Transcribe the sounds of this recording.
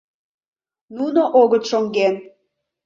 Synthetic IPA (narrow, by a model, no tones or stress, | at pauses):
nunoʔoɣət̪ʃoŋɡen